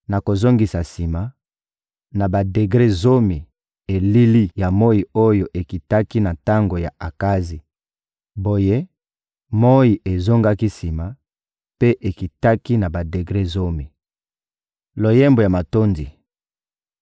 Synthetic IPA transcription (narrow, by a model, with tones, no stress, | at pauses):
na˨ko˨zo˦ŋɡi˨sa˨si˨ma˨ | na˨ba˨de˨ɡʁe˦zo˦mi˨ | e˨li˦li˦ja˨mo˦ji˨o˦jo˨ʔe˨ki˨ta˦ki˦na˨ta˦ŋɡo˨ja˨a˨ka˦zi˨ | bo˨je˦ | mo˦ji˨ʔe˨zo˦ŋɡa˦ki˦si˨ma˨ | pe˦ʔe˨ki˨ta˦ki˦na˨ba˨de˨ɡʁe˦zo˦mi˨ | lo˨jɛ˦mbo˨ja˨ma˨to˦nzi˨